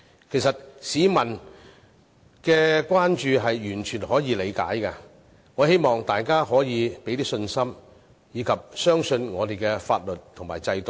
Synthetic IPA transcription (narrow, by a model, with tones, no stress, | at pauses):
kʰe˨˩jsɐ˨t̚siː˨˧mɐ˨˩n | kɛː˧kwaː˥nt͡ʃyː˧ɦɐ˨jjyː˨˩nt͡ʃʰyː˨˩nhɔː˨˥jiː˨˧le˨˧jka̰ː˨˥jkɐ˧ | ŋɔː˨˧he˥jmɔː˨ŋt̪aː˨jkaː˥ɦɔː˨˥jiː˨˧pe˨˥jt̪iː˥sɵ˧nsɐ˥m | jiː˨˧kʰɐ˨p̚sœː˥ŋsɵ˧nŋɔː˨˧t̪e˨jkɛː˧fa̰ː˧t̚lɵ˨t̚t̪ʰʊ˨˩ŋmaː˨˩jt͡sɐ˧jt̪o˨˩